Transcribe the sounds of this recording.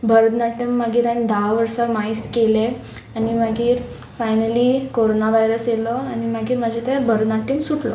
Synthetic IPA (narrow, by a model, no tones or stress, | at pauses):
bəɾd̪naʈəmːaɡiːɾand̪aʋəɾsamaiskele | animaɡiːɾ | fajnəlikoɾonaʋajɾəsjelɔañimaɡiːɾmad͡ʑʱit̪ẽbəɾd̪naʈimsuʈlɔ̰